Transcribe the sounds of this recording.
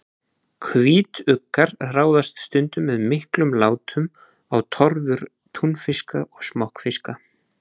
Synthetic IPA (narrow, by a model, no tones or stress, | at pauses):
kʰviːt̪ʏkːaɾraːwðast̪st̪ʏnt̪ʏmːɛðmɪhklʏmlaːwt̪ʏm | awt̪ʰɔɾvʏɾ̥ | t̪ʰunfɪskaʔɔsmahkfɪska